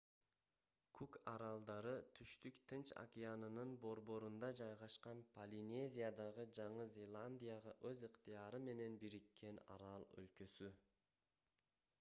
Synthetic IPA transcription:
kʰukɑɾɑlˠd̪ɑɾɯt̪ʰyʃt̪ykt̪ʰɨnt͡ʃa̰kʲijanɯnɯnbo̞ɾbo̞ɾund̪ɑd͡ʒɑjʁɑʃqɑnpʰɐlʲinʲe̞zʲijad̪ɑʁɯd͡ʒɑɴɯzʲe̞lˠanʲd̪ʲijaʁɑʔø̞zɯqt̪ijɑɾɯme̞ne̞nbiɾikːe̞nɑ̰ɾɑlˠø̰lkø̞sy

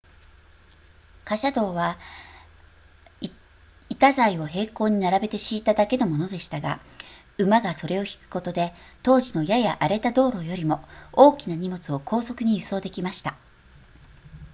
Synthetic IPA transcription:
kaɕad̪o̞ːβa | it̪azaio̞ɦe̞ːko̞ːɲ̟inaɾabe̞t̪e̞ɕiːt̪ad̪ake̞no̞mo̞no̞d̪e̞ɕi̥t̪aɡa̰ | ɯ̟maɡaso̞ɾe̞o̞çi̥kɯ̟̥ko̞t̪o̞d̪e̞t̪o̞ːʑino̞jajaʔaɾe̞t̪ad̪o̞ːɾo̞jo̞ɾʲimo̞oːkʲinaɲ̟imo̞t͡sɨo̞kʰo̞ːso̞kɯ̟ɲ̟ijɯso̞ːd̪e̞kʲimaɕi̥t̪a

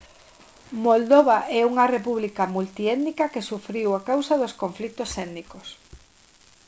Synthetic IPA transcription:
mold̪oβaʔɛuŋɐrepuβlikamult̪iɛðnikɐkesufɾiwakawsaðoskoɱflit̪osɛd̪nikos

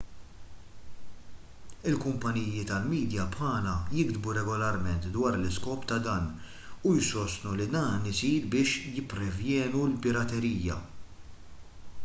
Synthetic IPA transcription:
ɪlkʊmpɐniːjɪt̪ɐlmiːd̪jɐpħɐːlɐjɪɡd̪buɾɛɡɔlɐɾmɛnt̪d̪wɐːɾlɪskɔːpt̪ɐd̪ɐːn | ujsɔst̪nulid̪ɐːnɪsiːɾbɪːʃjɪpːɾɛvjɛːnulpɪɾɐt̪ɛɾiːjːɐ̰

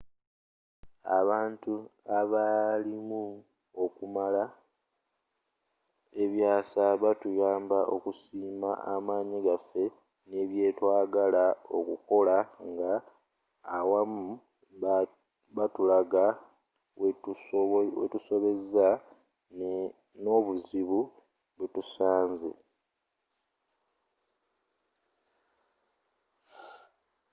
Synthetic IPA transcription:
a̰βaːntuaβalimu | o̞kumala | e̞βjaːsaβatujaːmbaʔo̞̰kusiːmaamaːɲiɡafːe̞ | ne̞βje̞ːtwaːɡalao̞̰kṵko̞laŋɡaː | wamu | βatulaɡa | w | wḛtuso̞βe̞za | no̞βuziβu | βetusaːnzḛ

